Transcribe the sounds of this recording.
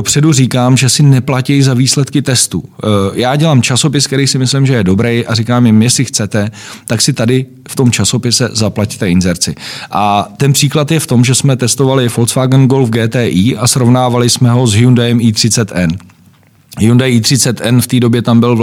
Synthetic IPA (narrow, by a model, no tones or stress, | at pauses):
opr̥ɛduriːkaːmʒɛsɪnɛplacɛjzaviːslɛt̪kɪt̪ɛst̪ṵjaːɟɛlaːmt͡ʃaso̞pɪskt̪ɛɾijsɪmɪslɪmʒɛjɛdo̞bɾɛjʔarikaːmɪmjɛslɪxt͡sɛt̪ɛt̪aksɪt̪adɪ | ft̪o̞mt͡ʃaso̞pɪsɛzaplact̪ɛɪnzɛɾt͡sɪʔat̪ɛnpr̥iːklat̪jɛft̪o̞mʒɛsmɛt̪ɛst̪o̞valɪfo̞lt͡sfaːɡnɡolfɡɛːt̪ɛːʔiːʔasɾovnaːvalɪsmɛɦo̞zɦɪjundaɛmʔiːt̪r̝̥ɪt͡sɛt̪ʔɛn | ɪundajiːt̪r̥ɪt͡sɛt̪ʔɛnft̪iːdo̞bjɛt̪ambɪl